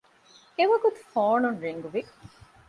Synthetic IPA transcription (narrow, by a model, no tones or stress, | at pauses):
eʋɐɡut̪u̥foːnunɾeŋɡuʋi